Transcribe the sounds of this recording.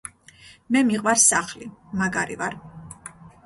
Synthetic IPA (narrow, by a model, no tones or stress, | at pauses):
mɛmiqʼwaɾsaχlimaɡaɾḭvaɾ